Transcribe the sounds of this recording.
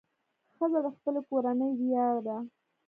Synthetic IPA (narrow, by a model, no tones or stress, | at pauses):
xəzad̪əxpəlekoɾanəjd̪ijɑɾd̪a